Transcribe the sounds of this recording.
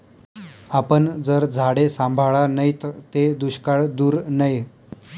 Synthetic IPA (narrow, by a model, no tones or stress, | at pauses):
apənd͡zəɾd͡zʱaɽesãmbʱaɭanəjt̪t̪ed̪uɕkaɭd̪uːɾnəj